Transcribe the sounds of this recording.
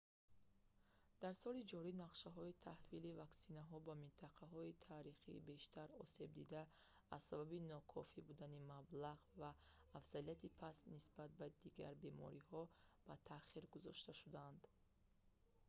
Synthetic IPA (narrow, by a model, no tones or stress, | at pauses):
d̪̥aɾsɔlid͡ʒɔɾinaqʃaɦɔit̪ʰahvilivaksinaɦɔbamint̪ʰaqʰaɦɔit̪ʰaɾiχḭːbe̞ʃt̪ʰaɾɔse̞bd̪id̪aː | z̥sababinɔkʰɔfibud̪animablaʁvaːfz̥alijat̪ʰipʰasnisbat̪̚bad̪iɡa̰ɾbe̞mɔ̰ɾihɔb̥at̪ʰaχiɾɡuzɔ̰ʃt̪aʃud̪and̪